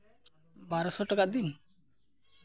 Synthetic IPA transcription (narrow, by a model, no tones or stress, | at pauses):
baɾɔsɔʈakaʔd̪in